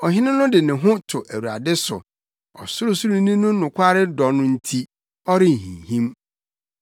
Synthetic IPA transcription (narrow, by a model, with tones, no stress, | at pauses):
ɔ˨ɦɪ̃˦nɪ̃˦nʊ̃˦dɪ˨nɪ̃˨ɦʊ̃˦tʰʊ˨ʔæ˨wu˨ɾa̰˨dɪ˦sʊ̰˨ | ɔ̰˨sʊ˦ɾʊ˨su˦ɾũ˦nĩ˦nʊ̃˦nʊ̃˨kʷʰa˦ɾɪ˦dɔ˨nʊ̃˦n̩˦tʰi˦ | ɔ˦ɾɪ˦n̩˨hḭ̃˨hĩ˦m